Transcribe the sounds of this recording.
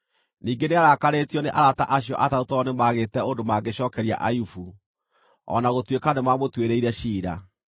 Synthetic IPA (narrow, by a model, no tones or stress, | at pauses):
niːŋɡeneaɾakaɾetiɔneʔaɾata̰ʔaɕjɔʔatautɔnemaːɣeːtɛondomaɡeɕɔːkɛɾia̰ʔajufu | ɔ̰naɣotwekanemamotweɾeiɾɛɕiːɾa̰